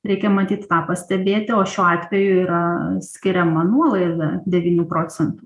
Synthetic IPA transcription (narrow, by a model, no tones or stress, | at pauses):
ɾʲɛɪkʲɛmɐt̪ʲiːt̪t̪ɑːpɐsʲt̪ʲɛbʲeːt̪ʲɪoːʃʲuːɑːt̪ʲʋʲɛjʊiːɾɐsʲkʲɪɾʲɛmɐnuɔlˠɐɪʋʲɛd̪ʲɛʋʲiːnʲupɾoːt͡ssʲɛnt̪ʊ